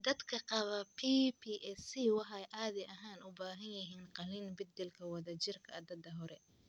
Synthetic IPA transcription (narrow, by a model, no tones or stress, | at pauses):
d̪ɐd̪kʰɐqɑβɐpʰiːpʰiːʔɛsiwɑħɑjʔaːðɛʔɐɦaːnʊbaːɦɐnjɪɦiːnqɑlinbɪd̪ɛlkʰɐwɑðɐt͡ʃɪrkʰɐɐd̪ɐd̪ɐɦɔɾɛ